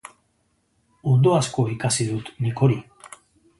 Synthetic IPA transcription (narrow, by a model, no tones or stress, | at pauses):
ond̪oasko̞ikasiðut̪niko̞ɾi